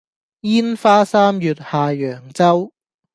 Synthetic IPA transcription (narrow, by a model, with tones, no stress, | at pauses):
jiː˥nfaː˥saː˥mjyː˨˧t̚haː˨˧jœː˨˩ŋt͡sɐ˥w